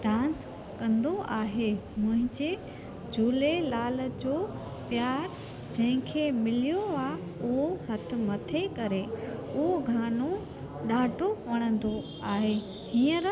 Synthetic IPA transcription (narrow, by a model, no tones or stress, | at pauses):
ɖãːns | kɐ̃nd̪oʔaːɦemʊ̃ɦɪ̃ɲd͡ʑe | d͡ʑʱuːlelaːld͡ʑoː | pjaːɾ | d͡ʑɐ̃ɦɪ̃kʰemɪlijoaː | ʊɦoɦɐt̪ʰɪ̆mɐt̪ʰekɐɾeʊɦoɡʱaːno | ɗaːʈoʋɐɽ̃ə̃nd̪o | aːɦe | hĩːəɾ